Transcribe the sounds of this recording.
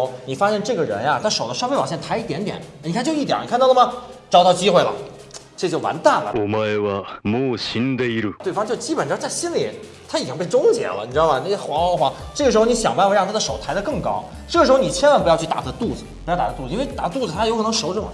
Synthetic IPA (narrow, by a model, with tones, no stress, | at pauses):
ni˨˩fa˥ɕjɛ˥˧nʈ͡ʂɤ˥˩ɡə˩ɻə̰˧˥nja˥˧t̪ʰa˥ʂo˨˩ʊd̪ə˦ʂfe˥˧wɑ˨˩ɕjnt̪ʰa˧˥˩t̪jɛ˧˥nt̪jɛ̰˨˩˦nni˨˩a˥˧t͡ɕjo˥˧ʊi˥˩jɛ̰˨˧˥ni˨kʰt̪ɑ˥˩˧ləmə˧˩ʈ͡ʂɑ˥˧t̪ɑ˥˩ʊt͡ɕi˥xwe˥˩ɪlə̰˩ | ʈ͡ʂt͡ɕjo˥˩ʊwa̰˧˥nt̪a˥˩nlə̰˩u˨˩mə˧e˥˧wə˧mu˥˧˩ɕi˥nd̪ə˧i˥ɾu˥˩t̪we˥˩ɪfɑ˥ŋt͡ɕjo˥˩ʊt͡ɕi˥pə˨˩nʈ͡ʂ̩˥˩t͡sa˥˩ɪɕi˥nli˨˩˦ | t̪ʰa˥i˨˩t͡ɕi˥ŋpe˥˩ɪʈ͡ʂʊ˥ŋt͡ɕjɛ̰˧˩˥lə̰˧ni˨˩ʈ͡ʂ̩̪˥ɑ˥˧˩bɐ˨ni˧˥˧xwa˧˥xxwa˧˥ | ʈ͡ʂɤ˥˩ɡə˩ʂɻ̩˧xo˥˧ʊni˧˥ɕjɑ˨˩ŋbpa˥˧nfə˧ɻɑ˥˩ŋt̪ʰa˥d̪ə˨ʂo˨˩ʊt̪ʰa˧˥ɪd̪ə˧kɤ˥˩ŋkɑ˥ʊ | ʈ͡ʂɤ˥˩ɡə˩ʂɻ̩˧˥xo˧ni˨˩t͡ɕʰjɛ˥nwa˥npu˧jɑ˥˧t͡ɕʰy˥˩t̪a̰˨˩ə˥˧t̪u˥˩d͡zɹ̩˩pu˧jt̪a˨˩˥t̪u˥˩˨i˥nwe˥˧ɪt̪a̰˨˧˩t̪u˥˩d͡z̩ɹ̩˩t̪ʰa˥jʊkʰnɤ˧˥ŋʂo˧˥ʊʈ͡ʂu˨˩˨